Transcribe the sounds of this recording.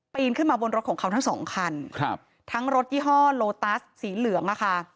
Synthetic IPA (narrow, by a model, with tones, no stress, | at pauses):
piː˧nkʰɯ˥˩nmaː˧bo˧nɾo˦t̪̚kʰːŋkʰa˧wt̪ʰa˦˥ŋsɔ̰ː˩˦ŋkʰa˧nkʰp | t̪ʰa˦˥ŋɾo˦˥t̪̚jiː˥˩ɦɔː˥˩loː˧t̪aː˦˥ssiː˩˦lɯ˨˩˦əŋla˦˥˩kʰa˥˩